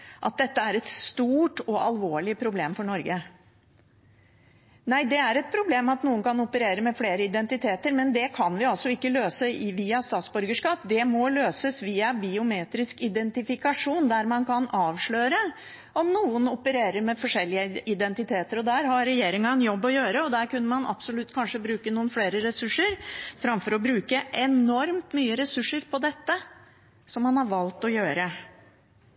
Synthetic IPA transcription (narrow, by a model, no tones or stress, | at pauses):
ʔɑt̪̚d̪ɛt̪ːəæɾɛt̪st̪uːʈɔʔɑ̰lʋoːɭɪpʰɾʊbleːmfɔɳɔɾɡə | næɪd̪ɛæɾɛt̪̚pʰɾʊbleːmɑt̪nuːənkʰɑnʊpəɾeːɾəmɛfleːɾəɪd̪ɛnt̪ɪt̪ʰeːt̪əɾmɛnd̪ɛkʰɑnʋɪɑlsɔɪkːəløːsəʋiːɑst̪ɑːt̪sbʉɾɡəʂkɑːpd̪ɛmɔløːsəsʋiːɑbɪʊmeːt̪ɾɪskɪd̪ɛnt̪ɪfɪkɑʂuːnd̪æɾmɑnkʰɑnɑːʋʂɭøːɾə | ɔmnuːənʊpəɾeːɾəɾmɛfɔʂɛlːɪəɪd̪ɛnt̪ɪt̪ʰeːt̪əɾɔd̪æːɾɦɑɾːɛjeːɾɪŋɑɛnjɔbːɔjøːɾəɔd̪æːɾkʉnːəmɑnʔɑ̰psʊlʉt̪ːkʰɑnʂəbɾʉːkənuːənfleːɾəɾɛsʉʂːəɾfɾɑmfɔɾɔbɾʉːkəʔɛnɔɾmt̪myːəɾɛsʉʂːəɾpʰɔd̪ɛt̪ːə | sɔmːɑnhɑɾʋɑlt̪ɔjøːɾə